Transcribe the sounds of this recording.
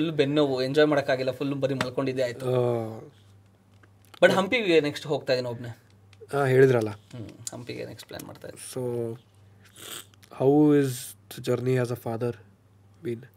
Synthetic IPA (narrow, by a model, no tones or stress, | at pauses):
ulːubenːoʋueɲd͡ʒɔːjmaːɽɐkːaːɡilːɐfʰulːbɐɾimɐɭko̞ɳɖid̪eaːjt̪u | bɐʈɦɐmpiɡeneksʈɦo̞ːɡ̚t̪ajd̪iniobne | aːɦeːɭid̪ɾɐlːahɐmpiɡḛneksʈpla̰ːnma̰ːɖt̪a̰j̰dsoː | hawɪz | d͡ʒɐɾniæzəfaːd̪əɾ | bĩn